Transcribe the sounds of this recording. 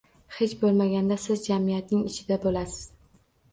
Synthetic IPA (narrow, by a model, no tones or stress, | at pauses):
he̞t͡ʃbolˠmaɡʲand̪asɪzd͡ʒamijat̪nɪŋɪt͡ʃʰɪd̪abolasɪ̥z̥